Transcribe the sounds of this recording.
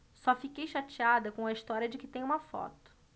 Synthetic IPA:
sɔfikejʃat͡ʃiad̪ɐkõɐist̪ɔɾiɐd͡ʒɪkɪt̪ẽj̃ũmɐfɔ̰t̪ʊ̥

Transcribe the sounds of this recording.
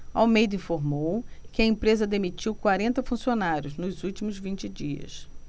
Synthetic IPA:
a̰wmejd̪ʊĩfoɾmowkɪɐẽpɾezɐd̪emit͡ʃiwkwaɾẽnt̪ɐfũsionaɾjʊznʊzuwt͡ʃimʊzvĩt͡ʃɪd͡ʒiɐ̰s

